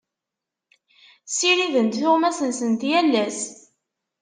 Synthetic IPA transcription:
siɾiðənt̪θʊʁmæsənsənt̪jælːæs

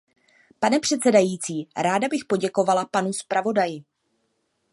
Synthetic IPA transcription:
panɛpr̝̥ɛt̪t͡sɛdajiːt͡siːɾaːdabɪxpo̞ɟɛko̞valapanuspɾavo̞dajɪ

